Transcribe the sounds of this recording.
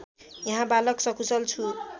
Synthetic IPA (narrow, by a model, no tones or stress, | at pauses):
jʌɦãbalʌksʌkʰusʌlt͡sʰu